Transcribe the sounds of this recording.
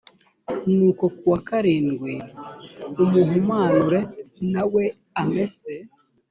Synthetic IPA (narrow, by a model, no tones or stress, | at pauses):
nuːko̞kuwakaɾiːnɡwi | umuhumaːnuɾenawe | amese